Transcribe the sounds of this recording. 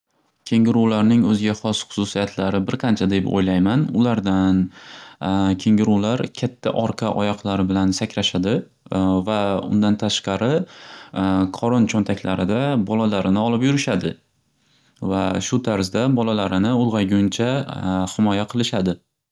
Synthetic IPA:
kʲʰe̞ŋɪɾuwlaɾnɪŋɵzɪɡʲaχɒsχʊ̥sʊsijat̪ʰlaɾɪbɪɾqʰɑnt͡ʃʰad̪e̞po̰jlajmanʊ̰laɾd̪an | kʲʰe̞ŋɪɾuwlaɾkʲʰat̪ʰːa̰ʔɒɾqʰɑʔɒjɒqlˠaɾɪbɪlansakʲɾaʃad̪ɪ | vaʊ̰nd̪ant̪ʰaʃqɑɾɪ | qʰɒɾɒnt͡ʃʰɒnt̪ʰakʲʰlaɾɪd̪abɒlalaɾɪnɪɒlˠɪpjʊɾɪʃad̪ɪ | vaʃʊt̪ʰaɾzd̪abɒlalaɾɪnɪʊlˠʁɑɡʲʊnt͡ʃʰahɪmɒjaqʰɨlˠɪʃad̪ɪ

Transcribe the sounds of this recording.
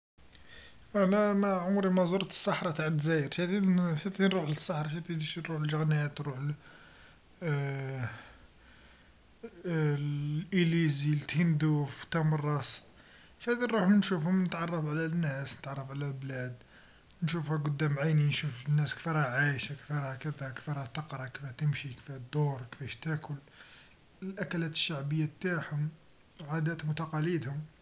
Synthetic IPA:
wænæmæʕʊmɾimɑzuɾɑt̪ə̥sːɑħɾˤɑt̪aʕd̪zæjəɾʃæt̪inʃæt̪inɾˤuħləsˤːɑħɾˤɑʃæt̪inʃinɾuħəlʒəɣnæt̪nɾuħ | lʔilizilt̪hind̪uft̪ːɑmɑrˤːɑs | hæd̪iɾuħmnʃufhʊmnət̪ʕɑrˤːɑfʕlænːæsnət̪ʕɑrˤːɑfʕlælblæd̪ | nʃufhæɡʊd̪ːæmʕajninʃufnːæskfiɾhæʕajʃakfiɾˤhækəd̪ækfiɾˤhæt̪ɑqɾˤɑkfhæt̪əmʃikfæhd̪oɾˤkfæʃt̪ækʰʊl | əlʔækælæt̪ə̥ʃːaʕbəjːabt̪aħhʊm | ʕad̪æt̪mʊt̪ɑqɑlid̪hʊm

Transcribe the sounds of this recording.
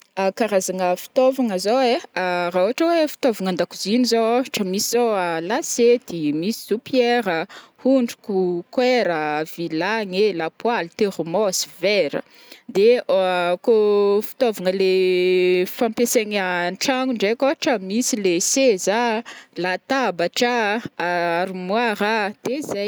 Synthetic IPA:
akaɾazaŋəfi̥t̪ovaŋəzoweaɾauaʈ͡ʂəwefi̥t̪ovaŋand̪akuzinizoaʈ͡ʂəmisizoalased̪̥imisi̥z̥opjeɾəhuɳɖ͡ʐu̥kukweɾəvilaŋelapwalit̪eɾumosi̥veɾə̰ | d̪e | kofi̥t̪ovaŋəle | fampeseŋanʈ͡ʂaŋuɳɖ͡ʐekaʈ͡ʂəmisilesezalat̪abaʈ͡ʂaaaɾumwaɾad̪̥eza

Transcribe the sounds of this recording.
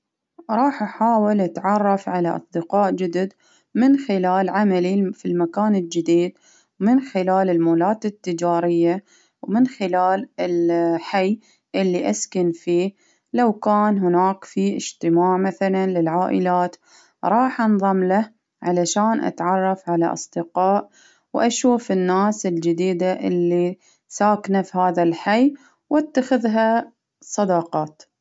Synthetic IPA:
ɾˤɑːħʔaħaːwɪlʔat̪ʕɑrˤːɑfʕalaʔɑ̰sˤd̪ɪqɑːʔd͡ʒɪd̪ɪd̪ | mɪnxɪlaːlʕamalifilmakaːnɪld͡ʒɪd̪iːd̪̚ | mɪnxɪlaːlɪlmuːlaːt̪ɪt̪ːɪd͡ʒaːɾɪjːa | wmɪnxɪlaːlɪlħaj | ʔɪlːiʔa̰skanfiː | lawkaːnɦʊnaːkfiʔɪd͡ʒt̪ɪmaːʕmaθalanlɪlʕaːʔɪlaːt̪ | ɾˤɑːħʔɑnðˤɑmla | ʕalaʃaːnʔa̰t̪ʕɑrˤːɑfʕala̰ʔɑ̰sˤd̪ɪqɑːʔ | wʔaʃuːfɪnːaːsɪld͡ʒɪd̪iːd̪aʔɪlːi | saːknafihaːðalħaj | wʔat̪ːaxɪðɦa | sˤɑd̪ɑqɑːt̪

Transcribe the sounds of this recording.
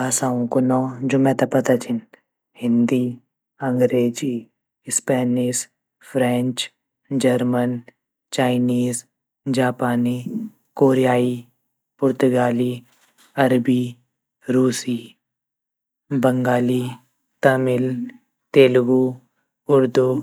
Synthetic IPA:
aːsaːõkonɔːd͡ʒomɛ̃t̪apɐt̪at͡ʃʰɪn | hɪ̃nd̪i | ə̃ŋɡɾeːd͡ʒi | spɛːniːz | pʰɾɛ̃ɲt͡ʃ | d͡ʒəɾmən | t͡ʃaːɪniːz | d͡ʒaːpaːni | koːɾijaːi | pʊɾt̪ʊɡaːli | ɐɾbi | ɾuːsiː | bəŋɡaːli | t̪əmɪl | t̪eːlɡu | ʊɾd̪u

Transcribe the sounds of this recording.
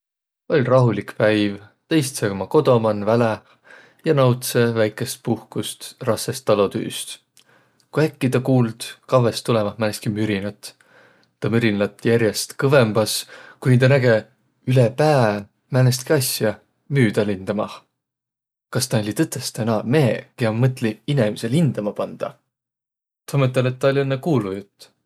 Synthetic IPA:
o̞lʲrɑɦulikpæjvt̪e̞jst̪sɤɡmɑko̞d̪o̞mɑnvæle | jɑnɑwt̪se̞væjkːˑe̞st̪̚puhkust̪rɑsːest̪ːɑlo̞t̪y̰ːst̪ | kujækːit̪ɑkuːld̪̥kɑvest̪ulɛmɑhmænest̪kimyɾinɑt̪ːˑ | t̪ːɑmyɾinlɑt̪ːˑjæɾje̞st̪kɤve̞mb̥ɑskuint̪ɑnæɡe̞ | ylepæː | mænest̪̚kiɑsjɑ | myːd̪ɑlind̪̥ɑmɑ̰ | kɑst̪ɑolʲit̪ɤt̪ːˑest̪enɑme̞ːkeɑmmɤt̪ːˑliinemise̞lind̪̥ɑmɑpɑnd̪̥ɑ̰ | t̪omet̪ːˑelet̪̚ːɑolʲienːekuːlujut̪ːˑ

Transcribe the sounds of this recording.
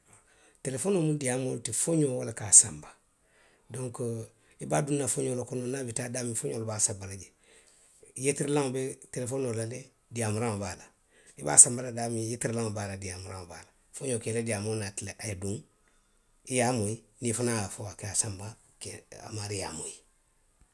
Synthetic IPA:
telefonomudijamoltifoɲowolakaːsamba | doŋko | ibaːdunːafoɲoːlokononabitadaːmifoɲolbasabalaɟe | jetiɾlaŋbetelefonolale | dijamuɾaŋobala | ḭba̰ːsambaladaːmijetiɾlãŋbaːladiamuɾãŋoba̰la | foɲoːkeledijamonatleʔajeduŋ | ijamoinifunaafowakeasamba | kea̰maɾija̰mo̰i

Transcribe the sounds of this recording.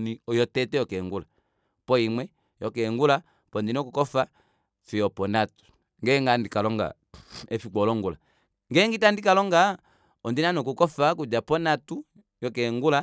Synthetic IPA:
niɔjɔtɛtɛjɔkɛŋɡula | pɔimwɛ | jɔkɛŋɡula | pɔndinɔkukɔfa | fiɔpɔnatu̥ | ŋɡɛŋɡandikalɔŋɡa̰ | ɛfiɡ͡bɔlɔŋɡula̰ | ŋɡɛŋɡitandikalɔŋɡa | ɔndinanɔkukɔfak̬ud͡ʒapɔnatu | jɔkɛŋɡula

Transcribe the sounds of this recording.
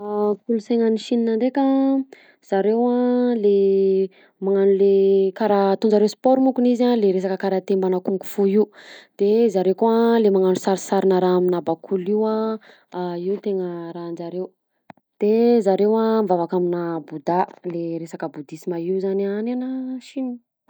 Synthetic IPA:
akuluseŋəniʃininanɖ͡ʐeka | z̥aɾewale | maŋanulekaɾat̪und͡ʒaɾewspɔɾmukunizaleɾes̬akəkaɾat̪embanakuŋɡu̥fuiud̪̥ezaɾewkoalemaŋanusaɾisaɾinaɾaaminabakʰuliwa | iut̪eŋəɾand͡ʒaɾew | d̪̥ezaɾewamvavakaminabud̪aleɾesakəbud̪isimaiuzanananaʃinin

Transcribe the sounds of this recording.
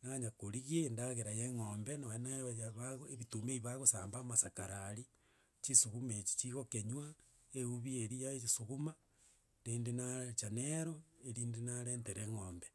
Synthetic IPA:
naɲakoɾiɣiendaɣeɾajeŋoːmbenawenajaβaɣoeβitumeiβaɣosaːmbaːmasakaɾaɾi | t͡ʃisuɣumet͡ʃi̥t͡ʃiɣokeɲwa | euβieɾijaesuɣuma | ɾiːndenat͡ʃaneɾoeɾiːndenaɾeːnteɾeŋoːmbe

